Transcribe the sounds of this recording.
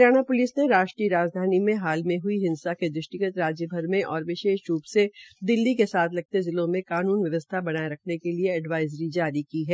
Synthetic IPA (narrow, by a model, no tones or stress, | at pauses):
jaːñapʊlɪsneɾaːʃʈɾiɾaːd͡ʒd̪ʱaːnimẽɦaːlmẽɦʊiɦɪ̃nsaked̪ɾʊʃʈɪkət̪ɾaːd͡ʒjəbʱɐɾmẽʔɔːɾʋɪʃeːʃɾuːpsed̪ɪlːikesaːt̪ʰlɐɡ̚t̪ezɪlõmẽkaːnuːnʋjɐʋəst̪ʰabɐnaːeɾɐkʰnekelieɛɖʋaːɪzɾid͡ʒaːɾikiɦɛː